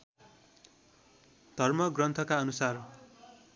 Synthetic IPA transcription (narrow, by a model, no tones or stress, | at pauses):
d̪̥ʱʌrmʌɡrʌnt̪ʰʌkaʌnusar